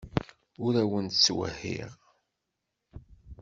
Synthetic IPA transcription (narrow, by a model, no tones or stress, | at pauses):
ʊɾæwənt̪t͡sːwə̰hḭʁ